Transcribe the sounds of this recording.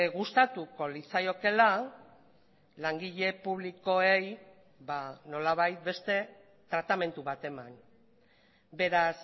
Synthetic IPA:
ɣust̪at̪uko̞lit͡sajo̞ke̞la | laŋɡiʎe̞puβliko̞e̞j | bano̞laβ̞ajt̪̚be̞st̪e̞ | t̪ɾat̪ame̞nt̪uβat̪e̞man | be̞ɾas

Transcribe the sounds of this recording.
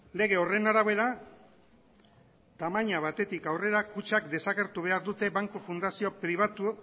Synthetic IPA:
le̞ɣ̞e̞o̞re̞naɾaβe̞ɾa | t̪amaɲaβat̪e̞t̪ikawre̞ɾakut͡ʃakd̪e̞saɣe̞ɾt̪uβ̞e̞aɾðut̪e̞βaŋkofund̪asiopɾiβ̞at̪u

